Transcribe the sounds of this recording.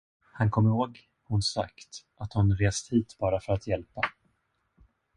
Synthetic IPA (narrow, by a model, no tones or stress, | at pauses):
hankʰɔmːɪɾhoːɡ | hʊnsa̰kt̪ʔat̪hʊnɾeːst̪hiːt̪b̥ɑːɾafœɾat̪jɛlpa